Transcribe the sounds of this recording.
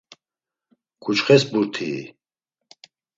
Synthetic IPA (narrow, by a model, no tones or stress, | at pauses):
kʰut͡ʃχɛsbuɾt̪ʰiː